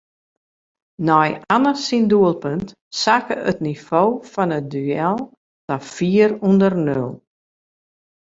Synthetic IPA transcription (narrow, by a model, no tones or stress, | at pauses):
nɔjanəsinduəlˠpønt | sakəətnifoːfɔnət̚dyɛlˠ | tafiərundərnølˠ